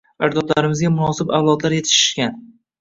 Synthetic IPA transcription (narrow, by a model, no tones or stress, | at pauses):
aɾd̪ɒt̪laɾɪmɪzɡʲamʊnɒsɪbawlˠɒd̪laɾjet̪ʰɪ̥ʃɪ̥ʃkʲan